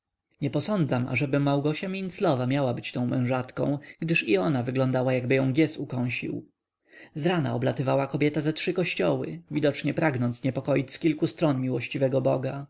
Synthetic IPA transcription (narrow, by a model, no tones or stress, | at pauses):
ɲɛpɔsɔnd̪zama̰ʐɛbɘmawɡɔɕamʲint̪slɔvamʲjawabɘt͡ɕt̪ɔ̃w̃mɛ̃w̃ʐat̪kɔ̰̃w̃ɡd̪ɘʂiɔnavɘɡlɔ̃nd̪awajaɡ̚bɘjɔ̃w̃ɡʲjɛsukɔ̃w̃ɕḭw | zɾana̰ɔblat̪ɘvawakɔbʲjɛt̪azɛtʂɘkɔɕt͡ɕɔwɘ̰vʲid̪ɔt͡ʂɲɛpɾaɡnɔnt̪sɲɛpɔkɔjit͡ɕskʲilkust̪ɾɔnmʲiwɔɕt͡ɕivɛɡɔbɔɡa